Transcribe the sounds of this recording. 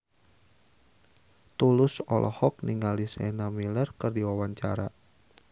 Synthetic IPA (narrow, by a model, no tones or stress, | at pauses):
t̪ulʊsɔlʔɔ̰hɔk̚niŋalisɛnamilərkərdiwawaɲt͡ʃa̰ɾa